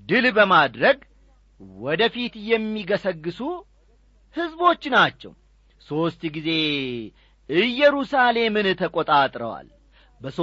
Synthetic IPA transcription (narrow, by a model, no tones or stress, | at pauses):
d̪ɨlbəmad̪ɾəɡ | wɔd̪əfit̪jɛmːiɡəsəɡːɨsu | hɨzbo̞t͡ʃːnat͡ʃːɛ̰w | so̞st̪ɡize̞ | ɨjːɛɾusale̞mɨnt̪ʰəkʼot̪ʼat̪ʼɾəwa̰l | bəs